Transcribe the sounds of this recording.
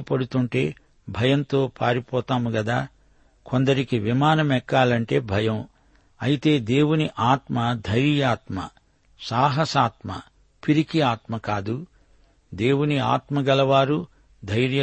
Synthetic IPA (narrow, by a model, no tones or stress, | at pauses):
pɐɽut̪uɳʈe̞ː | bʱɐjɐnt̪o̞ːpʰaːɾipɔːt̪aːmuɡɐd̪aː | kond̪ɐɾikiʋimaːnɐmɛkːaːlɐɳʈe̞ːbʱɐjɐ̃m | ɐjit̪e̞ːd̪e̞ːwuniʔaːt̪mɐd̪ʱɐjɾjaːt̪mɐ̰ | saːɦɐsaːt̪mɐ̰ | piɾikiaːt̪mɐkaːd̪u | d̪e̞ːwunia̰ːt̪mɐɡɐlɐʋaːɾu | d̪ʱɐjɾjɐ